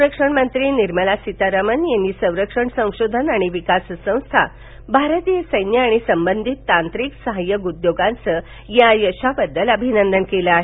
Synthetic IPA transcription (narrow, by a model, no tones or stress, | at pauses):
ɾəkʂəɳmənt̪ɾiːniɾməlasit̪aɾamənjanːiːsə̃w̃ɾəkʂəɳsə̃w̃ɕod̪ʱənaɽ̃iʋikassə̃w̃st̪ʰa̰ | bʱaɾət̪ijəsəjnjəaɽ̃isəmbənd̪ʱit̪ːant̪ɾiksəɦajːəɡud̪joɡãnt͡sə | jajəɕabəd̪ːələbʱinənd̪ənkeləaɦe